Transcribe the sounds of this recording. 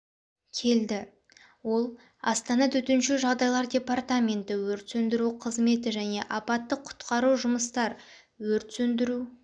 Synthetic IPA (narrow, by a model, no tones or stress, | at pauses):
kʲʰe̞ld̪ɪ | wo̞lˠ | ɑst̪ɑnɑt̪ʰɵt̪ɪnʃɪʒɑʁd̪ɑjlˠɑɾdʲe̞part̪amʲe̞nt̪ɪwɵɾt̪sɵnd̪ɪɾuqʰəzme̞t̪ɪʒæne̞ʔɑpɑt̪ːəqʰʊ̥t̪qɑɾuʒʊməst̪ɑɾ | wɵɾt̪sɵnd̪ɪɾu